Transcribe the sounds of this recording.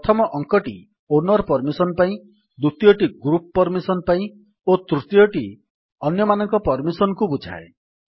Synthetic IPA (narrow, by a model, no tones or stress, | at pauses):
pt̪ʰɔmɔʔɔŋkɔʈḭ | onɔɾpɔɾmisɔnpaĩ | d̪ut̪ijɔʈiɡɾupːɔɾmisɔnpaĩ | ot̪ɾut̪ijɔʈi | ɔnjɔmanɔŋkɔpɔɾmisɔnɔkubud͡ʒʱa̰e